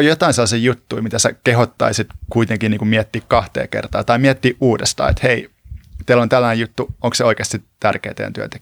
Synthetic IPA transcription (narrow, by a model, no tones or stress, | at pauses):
jot̪ɑinselːɑsiːjut̪ːuimit̪æsækehot̪ːɑ̰isit̪kuit̪eŋkiniːŋkumiæt̪ːiːkkɑht̪ḛːkḛrt̪ɑ̰ːt̪ɑimiɛt̪ːiːʔuːdest̪ɑ̰ːḛt̪hei | t̪eælont̪ælːænejut̪ːuoŋkseoikeːst̪sit̪ærkḛːt̪ḛjæ̰t̪yø̰nt̪e̥kː